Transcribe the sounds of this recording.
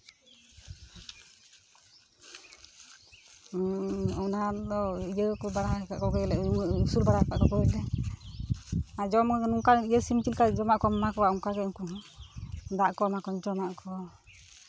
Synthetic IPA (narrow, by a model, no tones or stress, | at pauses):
ɔnad̪ɔid͡ʒəkɔbaɾaka̰ʔkɔɡɔjɛlɛmusulbaɾaka̰ʔkɔɡɔjɛlɛ | ad͡ʒɔmnuŋkaijəsimt͡ʃilkad͡ʒɔmaʔkɔmamakɔwaʔuŋkaɡɛuŋkunɔ | d̪aʔkɔmakɔɲd͡ʒɔmaʔkʰɔ